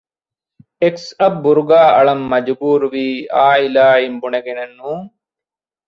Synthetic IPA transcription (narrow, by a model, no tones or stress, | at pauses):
eksɐbːuɾuɡaːʔɐɭɐmːɐd͡ʒbuːɾʋiːaːilaːimbuneɡenenːũː